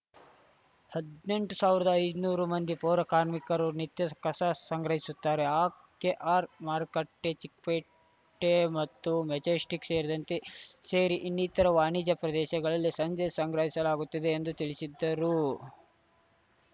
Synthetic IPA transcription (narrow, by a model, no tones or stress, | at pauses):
hɐd̪ne̞ɳʈusaːʋiɾɐd̪ɐːj̪nuːɾumɐnd̪ipɔːɾɐkaːɾmikɐɾunit̪jɐkɐsɐsɐŋɡɾɐɦisut̪ːaːɾeaː | keʔaːɾmaːɾkɐʈːet͡ʃik̚peː | ʈːemɐt̪ːumɛd͡ʒeːsʈikseːɾid̪ɐnt̪ese̞ːɾiʔinːit̪ɐɾɐʋaːnid͡ʒɐpɾɐd̪ɛːʃɐɡɐɭɐlːisɐɲd͡ʒɛsɐŋɡɾɐɦisɐlaːɡut̪ːɐd̪e̞ːnd̪ut̪iɭisid̪ːɐɾu